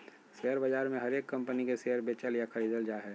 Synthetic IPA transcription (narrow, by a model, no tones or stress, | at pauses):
seɦəɾbɐd͡ʒaːɾmẽɦɐɾeːkːɐ̃mpənikeseɦəɾbet͡ʃəljakʰəɾiːd̪əld͡ʒaːɦɛ